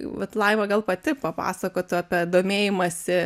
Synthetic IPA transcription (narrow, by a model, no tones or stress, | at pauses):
ʋɐt̪lˠɐɪʋɐɡɐlˠpɐt̪ʲɪpɐpɑ̰ːsɐkoːt̪ʲʊɑːpʲɛd̪oːmʲeːjɪmɐsʲɪ